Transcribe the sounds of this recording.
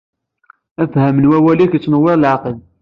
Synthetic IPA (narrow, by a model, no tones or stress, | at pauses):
æfhæmənwæwælikət͡sːnəwːɪʁlʕqəl